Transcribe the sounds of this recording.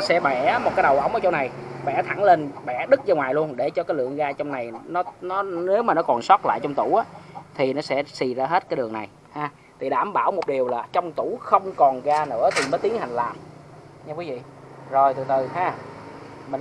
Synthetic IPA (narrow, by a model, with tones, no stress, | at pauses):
sɛ̰˧˥ɓa˧˩˨mo˨˩t̚kaː˨˦jɗə˨˩wʔə̰˧˩wŋ͡mʔəː˧˦t͡ɕɔ˧wŋ͡mna˨˩jɓɛ̰˧˩t̪ʰa˧˩ŋle˧nɓɛ̰˧˩ɗɨ˦˥k̚zaː˧ŋwaː˨˩jlu˧ənɗe˧˩t͡ɕɔ˧kaː˨˦jlɨ̰˧˨əŋɣaː˧t͡ɕɔ˧wŋ͡mna˨˩jnɔ˨˦nɔ˨˦ne˨˦wmaː˨˩nɔ˨˦˥kɔ˨˩nswa˦˥t̚la̰ː˧˨jt͡ɕɔ˧wŋ͡mt̪u˧˩ʔaː˨˦t̪ʰi˨˩nɔ˨˦sɛ̰˧˥si˧˩zaː˧ɦe˦˥t̚kaː˨˦jɗɨ˨˩əŋna˨˩j | haː˧ | t̪ʰi˨˩ɗaː˧˩mɓaː˧˩wmo˨˩t̚ɗi˨˩əwlaː˨˩t͡ɕɔ˧wŋ͡mt̪u˧˩˥xə˧wŋ͡mkɔ˨˩nɣaː˧nɨ̰˧˥ət̪ʰi˨˩məː˨˦jt̪i˨˦əŋha˨˩ŋ̟laː˨˩mɲa˧kwi˨˦vḭ˧˨ | zo˨˩jt̪ɨ̰˧˨˩t̪ɨ˨˩haː˧˩ | mï˨˩ŋ